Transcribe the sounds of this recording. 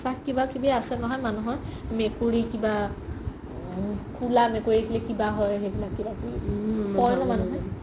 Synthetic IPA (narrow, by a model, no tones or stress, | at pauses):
sakkːibakibɛasɛnɔɦɔjmanũɦɔjmekuɹikiba | kʰulamekoɹikʰilɛkibaɦɔjɦeɡlakibakipɔɹnɔmanũɦɔ